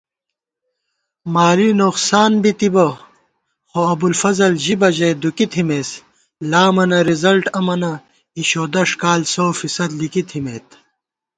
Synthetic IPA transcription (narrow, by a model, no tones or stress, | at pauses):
maːɾinoqsaːnbit̪ibɐ | xoɐbulfɐzɐlʑibɐʑɐjd̪ukit̪ʰimeːs | laːmɐnɐɾizɐlʈɐmɐnɐ | iɕoːd̪ɐʂkaːlsoːfisɐd̪likit̪ʰimeːt̪